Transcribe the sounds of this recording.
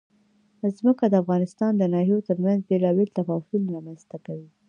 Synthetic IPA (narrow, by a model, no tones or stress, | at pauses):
zməkad̪əafɣɑnɪst̪ɑnd̪ənɑɦijot̪əɾmanzbelɑbelt̪afɑfilɾɑmanzt̪akawi